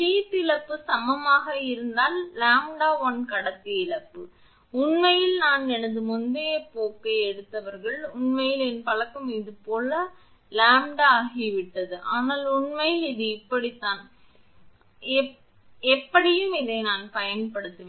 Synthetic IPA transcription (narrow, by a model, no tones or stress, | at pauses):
ʃiːt̪ːɪɭɐpːɯsɐmɐmaːɣɐɪɾɯnd̪aːlːaːmɖaːʋɔnkɐɽɐt̪ːiɪɭɐpːɯ | ʊɳmɐjɪlnaːnɛnɐnd̪ɯmʊnd̪eːpoːkːɐɛɽɯt̪ːɐʋɐɾɣɐɭʊɳmɐjɪlɛnpɐɭɐkːɯmɪðɯpoːlɐ | laːmɖːɣiʋɪʈːɐðɯʔaːnaːlʊɳmɐjɪlɪðɯɪpːɐɽit̪ːaːn | ɛ | ɛpːɐɽɪjɯmɪðɐɪnaːnpɐjɐnpɐɽɯt̪ːɯʋeː